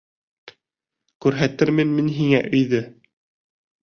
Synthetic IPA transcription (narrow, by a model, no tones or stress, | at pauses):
kʉɾɦæt̪ɘɾmɘnminɦiŋæʔɵ̆jðɵ